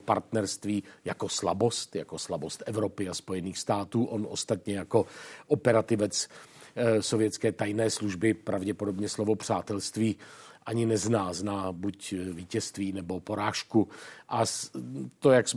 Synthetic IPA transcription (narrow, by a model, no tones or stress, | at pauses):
paɾt̪nɛɾst̪viːjako̞sla̰bo̞st̪jakoslabo̞st̪ʔɛvɾopɪaspo̞jɛniːxst̪aːt̪uːʔonʔo̞̰st̪at̪ɲɛjako̞ʔopɛɾat̪ɪvɛt͡s | so̞vjɛtt͡skɛːt̪ajnɛːsluʒbɪpɾavɟɛpodo̞bɲɛslo̞vopr̝̥aːt̪ɛlst̪viːʔaɲɪnɛznaːznaːbucviːcɛst̪viːnɛbo̞po̞ɾaːʃkuʔa | t̪ojaks